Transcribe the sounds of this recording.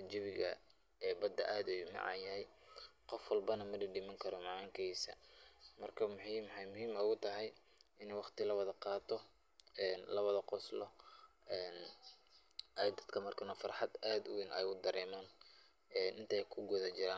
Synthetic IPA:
d͡ʒɪβɪɣɐ̰ | ɛːbɐd̪ɐ̰ʔaːd̪ɛjmɑ̰ʕɑ̰jɐɦɛj | qɔfwɑlbɐnɐmɐɖiɖiːmɐŋkʰɐɾɔmɑʕɑːŋkʰɛjsɐ̰mɐrkʰɐmʊħimħɑjmʊɦiːmɔɣʊt̪ʰɐɦɛj | ɪnɛjwɑχt̪ʰɪlɐwɑðɐqɑːt̪ʰɔ | ɛːnlɐβɐðɐqɔslɔɛːn | ʔɐd̪ɐd̪kʰɐmɐrkʰɐnɔfɑrħɑd̪aːd̪ʊwinɛjʊd̪ɐɾʔɛːmaːn | ɛːnʔɪnt̪ʰɛjkʰʊɡʊðɐt͡ʃɪɾaːn

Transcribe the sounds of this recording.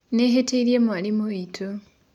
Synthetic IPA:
neɦeteiɾjemwalimoitʰo

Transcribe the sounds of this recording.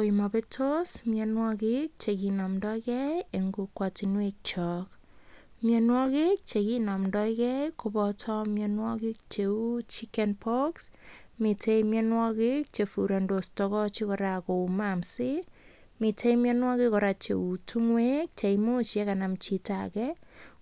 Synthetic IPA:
koimapetʰosmjɛnwɔkik̚t͡ʃekinɔmdɔkɛjeŋɡukwatinwek̚t͡ʃɔk | mjɛnwɔkik̚t͡ʃekinɔmdɔikɛjkobɔtʰɔmjɛnwɔkik̚t͡ʃeut͡ʃikɛnpɔksmitʰejmjɛnwɔkik̚t͡ʃefuɾandostɔkɔt͡ʃikɔɾakoumamsi | mitejmjɛnwɔkikɔɾat͡ʃḛutʰuŋwek̚t͡ʃeimut͡ʃɛkanamt͡ʃita̰kɛ

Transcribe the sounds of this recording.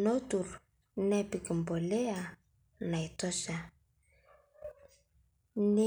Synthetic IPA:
notur | nɛpikimbolea | naitɔsa | ne

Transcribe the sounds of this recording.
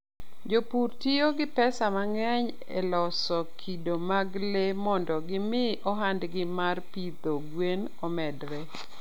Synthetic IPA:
d͡ʒopurtioɡɪpɛsamaŋɛɲ | ɛ̰lɔsɔkʰidomaɡlemɔndɔɡɪmɪʔɔɦandɡɪmarpid̪oɡwen | ɔmɛdɾɛ

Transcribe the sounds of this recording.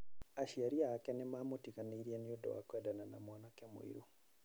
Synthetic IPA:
aʃiaɾiaakɛnemamotikaniɾieniodo̰wa̰kwedananamwɔnakemw̰ḭɾu

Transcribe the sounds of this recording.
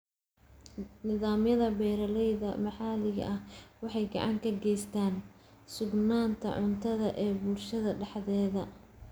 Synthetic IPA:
nɪðaːmjɐðɐbɛːɾɐlɛjðɐmɑħɑːlɪɣɐ̰ʔɐhwɑħɑjɡɑ̰ʕɑŋkʰɐɡɛjst̪ʰaːn | sʊɡnaːnt̪ʰɐ̰ʕʊnt̪ʰɐðɐʔɛːbuːrʃɐðɐɖɑħðɛːðɐ

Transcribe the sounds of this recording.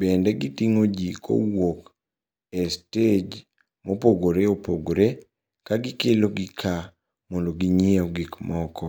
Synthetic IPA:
bɛndɛɡitiŋod͡ʒikʰo̰wok | ɛsted͡ʒ | mopoɡoɾeopoɡoɾe | kaɡɪkeloɡɪkʰa | mɔndoɡiɲɛɔɡɪkmɔkɔ

